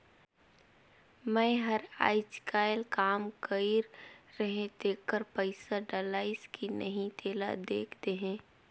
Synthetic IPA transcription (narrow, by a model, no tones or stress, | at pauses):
mɛ̃ːɦəɾa̰ːɪt͡ʃkaːɪlkaːmkəɪɾːəɦẽd̪eːkːəɾpəɪsaɖəlaːɪskʰinəɦĩt̪ʰeːla̰d̪eːkʰt̪eɦɛ̃ː